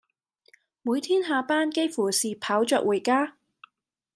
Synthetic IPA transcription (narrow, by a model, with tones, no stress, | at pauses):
muː˨˧jt̪ʰiː˥nɦaː˨˧paː˥nke˥jfuː˨˩siː˨pʰaː˨˥wt͡ʃœː˧k̚wuː˨˩jkaː˥